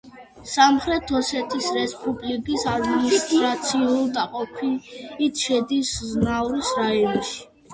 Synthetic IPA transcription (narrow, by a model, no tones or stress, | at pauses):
samχɾɛt̪ʰɔsɛt̪ʰisɾɛspʼublikʼisad̪minisst̪ʼɾat̪sʰiulˠd̪aqʼɔpʰiit̪ʰʃɛd̪isznauɾisɾajɔnʃi̥